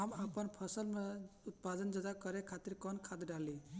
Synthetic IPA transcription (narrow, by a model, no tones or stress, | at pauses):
ɦamapənpʰəsəlmeʊt̪̚pad̪ənd͡ʒəd̪akəɾɛkʰat̪iɾkɔnkʰad̪ɖali